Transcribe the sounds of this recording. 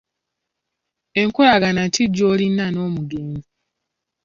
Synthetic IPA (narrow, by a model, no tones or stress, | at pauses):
eŋkulaɡanatʰiɟːoːlinːano̞ːmuɡeːnzi